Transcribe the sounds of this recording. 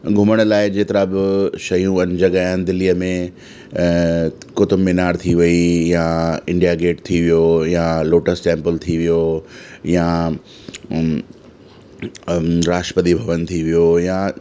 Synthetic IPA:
ɡʱʊməɽ̃laːɪd͡ʑeːt̪ɪɾabɪʃɐjũɐnd͡ʑɐɡaːjɪnɪ̆d̪ɪliːəmẽ | kʊt̪əmːɪnaːɾt̪ʰiʋɐijaɪ̃ɳɖijaɡeːʈt̪ʰiʋijojaloːʈəsʈẽːmpəlt̪ʰiʋijoja | ɾaːʃəpəd̪ibʱɐʋənt̪ʰiʋijoja

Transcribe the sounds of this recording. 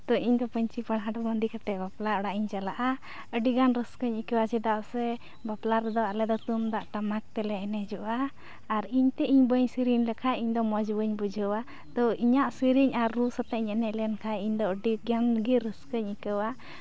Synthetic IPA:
t̪ɔʔiɲd̪ɔpəɲt͡ʃipəɳɦaɖɔbənd̪ikaʈɛbaplaɾɔɽaʔiɲt͡ʃalaʔa | əɖiɡanɾəskəɲikəwad͡ʒɛd̪aʔsɛ | baplaɾd̪ɔalɛd̪ɔt̪umd̪aʔʈamak̚t̪ɛlɛːnɛd͡ʒɔʔaː | ɾiɲt̪ɛʔiɲbəɲsiɾiɲlɛkʰaiɲd̪ɔmɔd͡ʒbəɲbud͡ʒʱəwa | t̪ɔiɲaʔsiɾiɲaɾːusɔt̪aʔiɲɛnɛʔlɛnkʰaiɲd̪ɔəɖiɡanɡiɾəskəɲikəwa

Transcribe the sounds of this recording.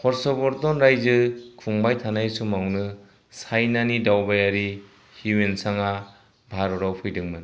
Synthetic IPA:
hɔɾsɔbɔɾtɔnɾajzɯkʰuŋbajtʰanajsumawnɯ | sajnanidawbajaɾi | huwensaŋa | bʱaɾɔɾawpʰɯjdɯŋmɯn

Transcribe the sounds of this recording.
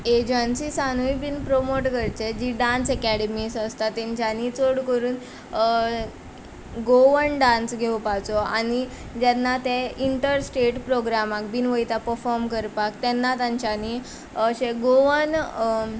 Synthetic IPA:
ed͡ʑənsisanuibiːnpɾomoʈkəɾt͡ɕed͡ʑiɖãnsəkæɽemisəst̪at̪ːẽɲt͡ɕanit͡soɽkəɾuːn | ɡoʋənɖãnsɡʱewpat͡sɔañi | d͡ʑanːat̪eiɳʈəɾsʈeʈpɾoɡɾamakbiːnʋəjt̪apəɾfɔɾmkəɾpakt̪ɛnːat̪aɲt͡ɕani | ɕeɡoʋən

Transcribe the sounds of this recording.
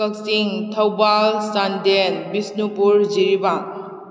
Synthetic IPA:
ək̚siŋtʰawbalsandenbisnupuɾd͡ʒiɾiba

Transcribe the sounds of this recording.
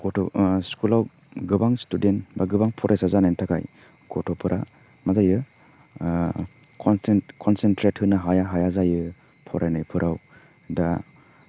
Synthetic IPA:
ɡɔtʰɔskulaw | ɡɯbaŋstudenbaɡɯbaŋpʰɔɾʔajsazanajntʰaka̰j | ɡɔtʰɔpʰɯɾʔa̰ | mazajɯ | kʰɔnsenkʰɔnsentɾethɯnaɦajaɦajazajɯ | pʰɔɾʔajnajpʰɯɾʔaw | da

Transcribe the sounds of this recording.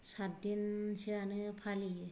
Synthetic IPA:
satdinsianɯpʰali

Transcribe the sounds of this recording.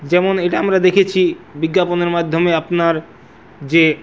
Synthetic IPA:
d͡ʑɛmoneʈaamɾad̪ekʰet͡ɕʰibiɡːaponeɾmad̪ʱːomeapnaɾ | d͡ʑe

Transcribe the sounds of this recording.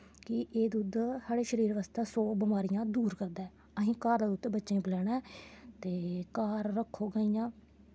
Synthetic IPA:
kɪʔeːd̪uːd̪saːɽeːʃəɾiːɾʋaːst̪aːsɔːbɪmaːɾijãːd̪uːɾkəɾd̪aːɛː | əɦĩːkaːɾd̪aːut̪ːeːbətːʃẽːpɪlɛːɽɛ̃ːt̪eːkaːɾːəkʰːoːɡəiːjãː

